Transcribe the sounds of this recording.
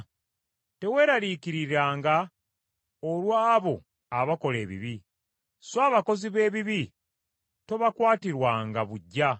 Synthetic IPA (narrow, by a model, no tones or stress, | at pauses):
te̞we̞ːɾalikiɾiɾaːŋɡa | olwaːβo̞ | aβako̞le̞ːβḭβi | saːβako̞ziβe̞ːβiβi | to̞βakwaːtiɾwaŋɡaβuɟːa